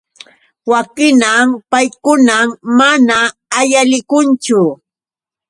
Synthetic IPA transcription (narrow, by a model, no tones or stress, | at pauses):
wakɪnampajkʊnammanaːjalɪkʊnt͡ʃʊ